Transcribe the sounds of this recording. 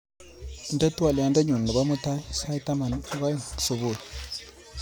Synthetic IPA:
nda˦tu˦a˨lja˨nda˦ɲu˨ndə˨ba˦mu˦ta˦jsa˦jta˦ma˨n˦ba˦jsu˨bu˦˨

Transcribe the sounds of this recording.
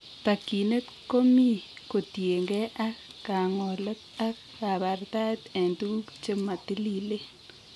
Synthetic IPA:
ta˨ki˨ne˦t | ko˦mi˦ko˨tje˨ŋɡe˦ʔa˦kka˨ŋɔ˨lɔ˦t̪a˦kːa˨ba˨ɾt̪a˦t̪e˨ndu˦kt͡ʃe˦ma˨t̪i˦li˦le˦

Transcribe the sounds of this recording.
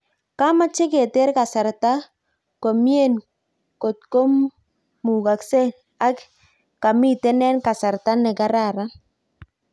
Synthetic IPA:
ka˦ma˦t͡ʃɪ˦ke˨te˦ɾka˨sɛ˨ɾta˦ | ko˨mje˦˨n | ko˨t̪̚ko˦m | mu˨ka˨kse˦ | a˦k | ka˨mi˦te˦nɛ˦nka˨sa˨ɾta˦nɛ˨ɡa˦ɾa˦˨ɾa˦

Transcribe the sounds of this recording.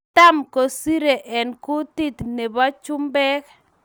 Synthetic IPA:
t̪a˦mko˨si˦ɾe˨ʔɛ˨nkʊ˦t̪i˦t̪ne˨ba˦t͡ʃʊ˦mbɛ˦k

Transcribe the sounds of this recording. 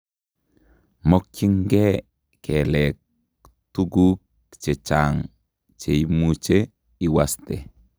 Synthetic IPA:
mo˦kt͡ʃi˦ŋɡe˦ | kelek̚ | tu˦ɡu˦k̚ | t͡ʃe˨t͡ʃaŋ | t͡ʃe˨imut͡ʃe | i˨waste˨

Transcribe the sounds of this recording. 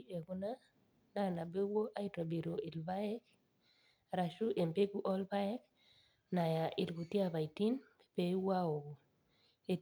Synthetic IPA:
e˨ɡu˦na˦ | na˦˨na˨be˦wo˦ʔa˦i˦tɾɔ˨bi˨ɾo˨ɪ˨lba˦ɛ˦k | ɾa˨ʃu˦ʔe˨mpe˦ɡu˦ʔɔ˦lba˦ɛ˦k̚ | na˨ja˨ʔɪ˨lɡu˨ti˦a˦˨ba˨i˨ti˦n | e̥˨be˦wa˦o˨ | e˨

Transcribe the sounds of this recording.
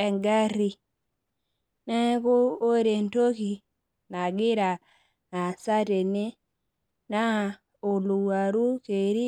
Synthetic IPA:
ɛ˨ŋɡa˦ɾi˨ | nɛ˦ko˦o˦ɾe˨nto˦ki˨ | na˨ɡɪ˦ɾa˨ | na˨sa˦te˨ni˦ | na˦˨ | o˨lu˨wa˨ɾu˦ke˨ɾi˦

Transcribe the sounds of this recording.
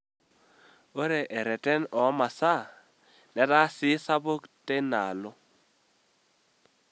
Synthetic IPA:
o˦ɾe˨ʔɛ˨ɾɛ˨tɛ˦nɔ˨˦ma˨sa˦˨ | nɛ˨ta˦sɪ˨˦sa˦bo˦ktɛ˦na˨lo˦

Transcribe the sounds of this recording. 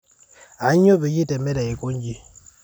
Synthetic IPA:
a˨˦ɲ˦o˦be˨ji˦te˨me˦da˨e˨ko˦ɲ˦d͡ʒi˦

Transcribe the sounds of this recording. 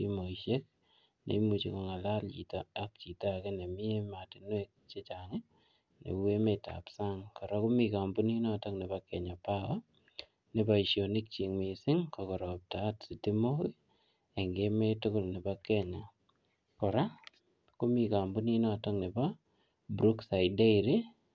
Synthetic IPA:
imo˨iʃe˦k̚ | nḛ˨˦mu˨t͡ʃḭ˨kɔ˨ŋa˨la˦lt͡ʃḭ˨tɔ̰˦a˦k̚t͡ʃi˨ta˦˨kɛ˦ne˨mi˦e˦ma˨ti˨nwe˦k̚t͡ʃe˦t͡ʃa˨ŋɪ˦ | nḛ˨u˦we˦meta̰˨psa˦ŋkɔ˨ɾa˦ku˦mi˨ka˨mbu˦ni˦nɔ˦˨tɔ˦ŋne˨ba˦kɛ˨ɲa˨pa˦wɔ˦ | nɪ˨ba˨i˨ʃjo˨ni˦k̚t͡ʃi˨ŋmɪ˨sɪ˦ŋkɔ˨kɔ˨ɾɔ˨p̚ta˨˦tsi˨ti˦mo˦ki˦ | e˨ŋɡe˦me˦tʊ˦kʊ˦˨lnɪ˨ba˦kɛ˦ɲa˨ | kɔ˨ɾa˦ | ko˦mi˨ka˨mbu˦ni˦nɔ˦˨tɔ˦ŋnɪ˨pa˦ | bɾu˦ksa˨ɪde˦iɾi˦

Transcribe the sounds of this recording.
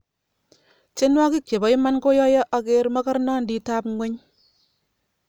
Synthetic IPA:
t͡ʃe˦nwɔ˦ki˦kje˨bɔ˨i˦ma˦nko˦jɔ˦jɔ˦ʔa˧ke˦ɾma˦ka˦ɾnɔ˦ndi˨ta˦pŋɡʷwe˦ɲ

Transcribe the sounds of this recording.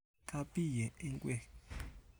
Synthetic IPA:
kʰa˦pʼi˦˨jɛ˨ɛ˦ŋkʼwɛ˦˨

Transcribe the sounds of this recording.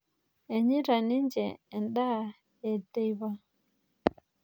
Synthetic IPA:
ɛ˨ɲi˦ɾa˨ni˦nd͡ʒɛ̰˨ɛ˨nɗa˦ | ɛ˨de˦jba˦

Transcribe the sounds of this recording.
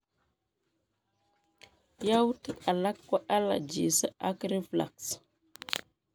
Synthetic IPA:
ja˦wti˦ka˨la˦kːwa˦ʔa˦la̰˨d͡ʒḭ˨sə˦a˦kɾi˦fla̰˨ks

